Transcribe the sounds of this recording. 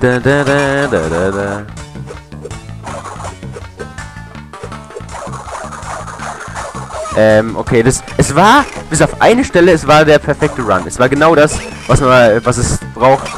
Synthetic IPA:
d̥ɛdɛdɛdədɛdə | ʔɛːmʔo̰kʰeːdasʔɛsv̥aːɐb̥ɪs̬aʊfʔa̰ɪnəʃtɛləɛsv̥aːɐdeːɐpʰɛɐfɛk̚təʁanɛsv̥aːɐɡənaʊdas | vasɛvas̬ɛsb̥ʁaʊxt

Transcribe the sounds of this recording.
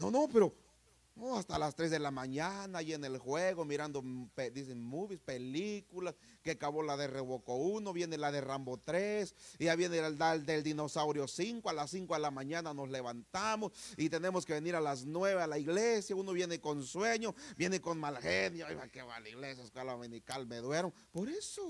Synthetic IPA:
nonopeɾo | oast̪alast̪ɾezðelamaɲanaːjienelxweɣomiɾand̪oped̪isenmuβispelikulas | keakaβolaðereβokounoβjenelaðerambot̪ɾesiaβjened̪ald̪eld̪inosawɾjosiŋkoalasːiŋkoðelamaɲananosleβant̪amosit̪enemoskeβeniɾalas̬nweβealaiɣlesjaunoβjenekonsweɲobjenekonmalxenjao̰jβakeβa̰laiɣlesjaskalaominikalmeðweɾoŋ | poɾeso

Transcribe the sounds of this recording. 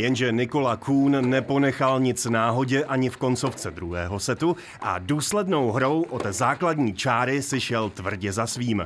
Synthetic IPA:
jɛnʒɛnɪko̞lakʰuːnːɛpo̞nɛxalɲɪt͡snaːɦo̞ɟɛʔaɲɪfko̞nt͡so̞ft͡sɛd̪ɾuɦɛ̰ːɦo̞sɛt̪u | ʔa̰duːslɛdno̞wɦɾo̞wʔot̪zaːkladɲiːt͡ʃaːɾɪsɪʃɛlt̪vr̩ɟɛzasviːm

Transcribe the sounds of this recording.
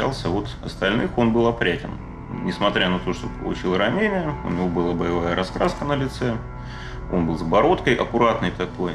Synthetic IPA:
a̰lˠsʲəvo̞t̪ɐst̪ɐlʲnɨxo̞nbɨlˠɐpɾʲætʲɪ̰n | nʲɪsmɐt̪ɾʲanɐt̪o̞ʂt̪o̰pəlˠʊ̰t͡ɕilˠɾɐnʲenʲɪjəʊ̰nʲɪvo̞bɨlˠabəjɪvajəɾɐskɾaskənəlʲɪt̪sɛ | o̞̰nbɨlˠzbɐɾo̞t̪kəjʔɐ̰kʊɾat̪nɨjt̪ɐko̞j

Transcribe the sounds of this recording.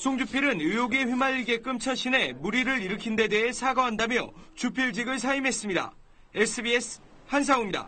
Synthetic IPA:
sʰoŋd͡ʑupʰiɾɯnujoɡe̞ɸɥimaʎːiɡe̞k͈ɯmt͡ɕʰʌɕ͈ʰine̞muɾiɾɯɾiɾɯkʰinde̞de̞ɦe̞sʰaɡʌɦandamjʌ̰t͡ɕupʰiɭd͡ʑiɡɯɭs̬ʰaimɦe̞s͈ɯmɲida̰ | e̞s͈ʰɯbie̞sʰ | hans̬ʰaumɲida̰

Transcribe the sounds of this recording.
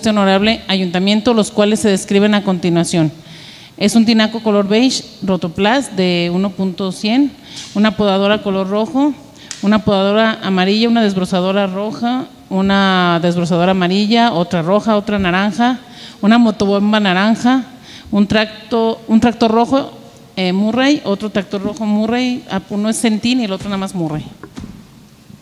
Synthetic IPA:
t̪ono̞ɾaβle̞aʝunt̪amje̞nt̪olo̞skwale̞sːe̞ðeskɾiβ̞e̞nako̞nt̪inwasjo̞n | e̞sunt̪̬inako̞ko̞lo̞ɾβejʃ | rot̪o̞plasd̪e̞uno̞punt̪osje̞n | unapoðaðo̞ɾako̞lo̞rro̞xo̞ | unapoðaðoɾaʔːmaɾiʝaunað̞ezβɾosað̞o̞ɾaro̞xa | unaðe̞zβɾos̬að̞o̞ɾaːmaɾiʝao̞t̪ɾaro̞xao̞t̪ɾanaɾaŋxa | unamo̞t̪oβombanaɾaŋxa | unt̪ɾak̚t̪ount̪ɾak̚t̪oro̞xo | emurejo̞t̪ɾot̪ɾak̚t̪o̞ɾro̞xo̞murejaunoesent̪inielo̞t̪ɾonamazmurej

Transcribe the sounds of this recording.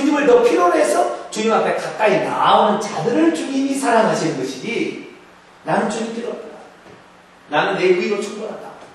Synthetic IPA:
iɲɯmɯɭnʌpʰiɾone̞sʰʌt͡ɕuɲimapʰe̞kak̚k͈aina̰onɯnt͡ɕadɯɾɯɭt͡ɕuɡiɲisʰaɾaŋɦaɕʰinɯnɡʌɕʰid͡ʑi | ɾanɯnt͡ɕuɲit͈ɯɾʌt̚ta | ɾanɯneɡuiɾot͡ɕʰuŋbonɦada

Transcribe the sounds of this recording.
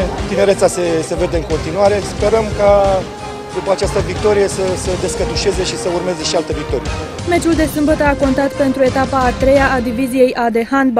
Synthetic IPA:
t̪ine̞ɾe̞t̪sase̞se̞ve̞d̪e̞ɨŋko̞nt̪inuaɾe̞spe̞ɾəmka | d̪upəat͡ʃast̪əvik̚t̪o̞ɾije̞səsəd̪e̞skət̪uʃe̞ze̞ʃisəurme̞ze̞ʃialt̪əvik̚t̪o̞ɾije | me̞t͡ʃuld̪e̞sɨmbət̪əako̞nt̪at̪pe̞nt̪ɾue̞t̪apaːt̪ɾe̞jaːd̪ivizije̞jʔad̪e̞hanb

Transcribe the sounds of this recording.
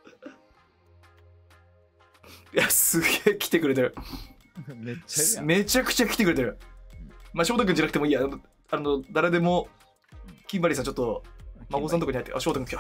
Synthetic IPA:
jasɨɡeːkʲi̥t̪e̞kɯ̟ɾe̞t̪̬eɾɯ̟ | me̞t͡ɕakɯ̟̥t͡ɕakʲi̥t̪ekɯ̟ɾe̞t̪eɾɯ̟ | maɕo̞ːt̪okɯ̃ɲd͡ʑanak̟t̪emiːjan | anod̪aɾe̞d̪e̞mo̞ | kʲĩmbaɾʲisãɲt͡ɕo̞t̪ːomaɡosãnt̪okihait̪ːeʔa̰ɕoːt̪okɯ̟ŋk

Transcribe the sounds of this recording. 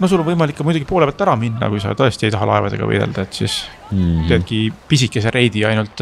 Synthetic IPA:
nos̬ulːonvɤjmɑlikːɑmujd̪uɡ̥ipoːlebɑlt̪ːæɾɑminːɑ̰kujsɑ̰t̪ɤ̞est̪ie̞jt̪ɑɦɑlɑ̰e̞vɑd̪̥e̞ɡ̥ɑ̰vɤ̰jd̪ḛld̪̥ɑe̞t̪ːsis | teːd̪̚kipisikːˑes̬eɾʔe̞jd̪iɑjnult̪ˑ

